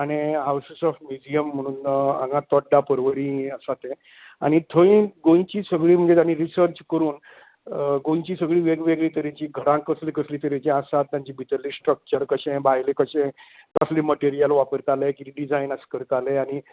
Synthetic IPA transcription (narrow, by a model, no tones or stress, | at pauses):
aɽ̃iɦawssɔfmud͡ʑiəmːəɽ̃ũːnã̰ŋɡãt̪ɔʈɖapəɾʋəɾĩəsat̪ẽ | a̰ɽ̃it̪ʰəĩɡõĩt͡ɕiːsəɡɭiːm̤əɳd͡zet̪janiɾisəɾt͡ɕkəɾuːn | ɡõj̃t͡ɕiːsəɡɭiːʋeɡʋeɡɭiːt̪əɾet͡ɕiːɡʱəɾãkəslikəsliːt̪əɾet͡ɕĩãsat̪ːjãɲt͡ɕiːbʱit̪əlːiːsʈɾək̚t͡ɕəɾkəɕẽbʱajlekəɕẽkəsliməʈeɾijəlʋapəɾkalekiɾiɖid͡zajnəskəɾk̪aleaɽ̃i